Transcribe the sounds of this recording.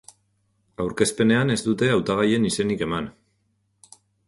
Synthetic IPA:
awɾke̞spe̞ne̞ane̞zd̪ut̪e̞awt̪aɣ̞aje̞nise̞nike̞man

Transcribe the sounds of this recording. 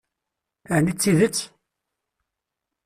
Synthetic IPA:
əʕnit͡sːiðət͡sː

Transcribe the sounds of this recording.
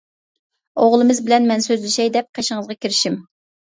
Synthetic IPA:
oʁlˠɨmɨzbɪlɛnmɛnsøzlɪʃɛjd̪ɛp̚qʰeʃɪŋəzʁɑkʲʰiɾɪʃim

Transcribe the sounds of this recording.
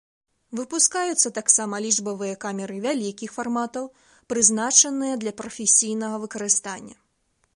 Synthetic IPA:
vɨpuskajut̪sːɐt̪aksamɐlʲiʐbɐvɨjɐkamʲɛɾɨvʲalʲikʲixfarmat̪ɐw | pɾɨznat͡ʂɐnɨjɐd̪lʲɐpɾɐfʲesʲijnɐɣɐvɨkɐɾɨst̪anʲːɐ

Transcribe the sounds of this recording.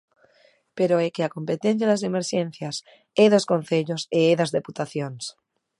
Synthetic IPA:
peɾoekeakompet̪ẽn̟θ̬jaðasemeɾʃẽn̟θjas | eðoskõnθeʎoseeðazðeput̪aθjons

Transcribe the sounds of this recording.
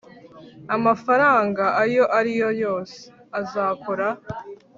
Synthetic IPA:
amafaɾaːŋɡaʔajo̞ʔaɾijo̞jo̞ːse̥ | azaːkoɾa

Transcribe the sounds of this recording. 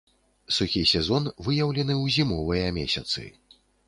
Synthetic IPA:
suxʲisʲɛzɔnvɨjawlʲɛnɨwzʲimɔvɨjɐmʲɛsʲat̪sɨ̰

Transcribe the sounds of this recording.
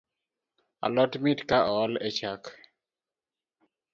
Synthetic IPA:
a̰lɔtmitkaʔɔlet͡ʃak

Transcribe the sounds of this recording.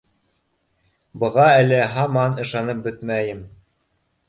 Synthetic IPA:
bɤ̆ʁɑælɘɦɑmɑnɤ̆ʃɑnɤp̚bɵt̪mæjɘm

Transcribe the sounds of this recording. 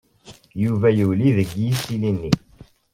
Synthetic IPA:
juvæjəwliðəɡjisilinːi

